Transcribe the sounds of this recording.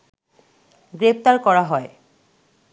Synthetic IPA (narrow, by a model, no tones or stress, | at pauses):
ɡɾep̚ʰt̪aɾkɔɾaɦɔe